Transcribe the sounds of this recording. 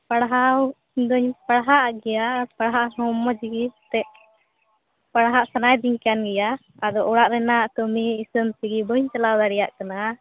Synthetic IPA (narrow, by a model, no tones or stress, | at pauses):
paɽɦaw | d̪ɔɲpaɽɦaʔɡɛjapaɽɦaʔɦɔmːɔd͡ʒɡit̪ɛʔ | paɽɦaʔsanajd̪iɲkanɡɛja | ad̪ɔʔɔɽaʔɾɛnaʔkəmiːsəmsiɡibəɲt͡ʃalawd̪aɽɛja̰ʔkana